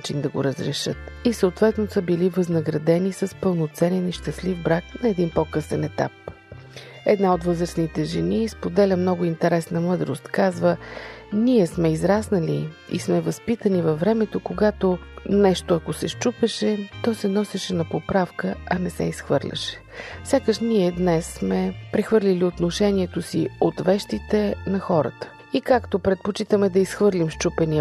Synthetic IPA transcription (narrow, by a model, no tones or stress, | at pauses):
at͡ʃind̪ɐɡo̰ɾəzɾɛʃɤt̪isəot̪vɛt̪nosəbilivəznəɡɾɐd̪ɛnisəspəlˠnot̪sɛnɛniʃt̪əslifbɾaknɐɛd̪inpɔkɤsɛnɛt̪a̰p̚ | ɛd̪naot̪vɤzɾəsnit̪ɛʒɛnispod̪ɛlʲəmnɔɡʊint̪ɛɾɛsnɐmɤd̪ɾost̪kazvəniɛsmɛizɾasnəliḭsmɛvɐspit̪ənivɐvːɾɛmɛt̪okoɡat̪onɛʃt̪oɐkosɛʃt͡ʃupɛʃɛt̪ɔsɛnɔsɛʃɛnɐpopɾafkəɐnɛsɛ̰isxvɤɾlʲɐ̰ʃɛ̥fsʲakəʃniɛd̪nɛsːmɛpɾɛxvɤɾlʲiliot̪noʃɛniɛt̪osiot̪vɛʃt̪it̪ɛnɐxɔɾə̰t̪ə̥ | ikakt̪opɾɛt̪̚pot͡ʃit̪əmɛd̪ɐisxvɤɾlʲimʃt͡ʃupɛniə